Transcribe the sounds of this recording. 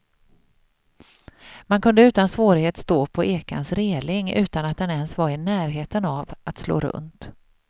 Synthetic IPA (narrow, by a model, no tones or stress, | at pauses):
mankʰɵnd̪əʉ̟ːt̪ansvoːɾɪheːt̪st̪oːpʰɔʔeːka̰nsɾeːlɪŋʉ̟ːt̪anat̪̚d̪ɛnɛnsvaɾɪnæːɾɦeːt̪ənavʔat̪slo̰ːɾɵ̰nt̪